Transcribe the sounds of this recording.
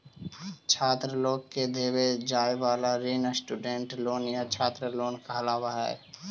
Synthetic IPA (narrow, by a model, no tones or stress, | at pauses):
t͡ʃʰaːt̪ɾəloːkked̪ʱeːwed͡ʒaːjʋaːlaɾiːnəsʈuːɖẽɳʈloːnjat͡ʃʰaːt̪ɾəloːnkaɦlaːwaɦɛ̰ː